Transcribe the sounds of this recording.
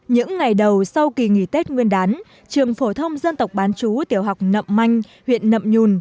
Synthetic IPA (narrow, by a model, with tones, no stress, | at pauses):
ɲɨ̰˧˥ŋːa˨˩jɗə˨˩wsa˧wki˨˩ŋḭ˧˩t̪e˦˥t̚ŋwi˧ənɗaː˨˦n | t͡ɕɨ˨˩əŋfo˧˩t̪ʰə˧wŋ͡mzə˧nt̪ə˨˩wk͡p̚ɓaː˨˦nt͡ɕu˨˦t̪i˧˩əwɦa˨˩wk͡p̚nə̰˧˨mma˧jŋ̟ | hwḭ˧˨ənːə̰˧˨mɲu˨˩n